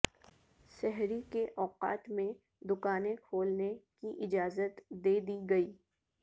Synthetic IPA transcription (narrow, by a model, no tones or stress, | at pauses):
ʃɛɦɾikeʔɔːqa̰ːt̪mẽ | d̪ʊkaːnẽkʰoːlnekiʔɪd͡ʒaːzət̪d̪eːd̪iɡɐiː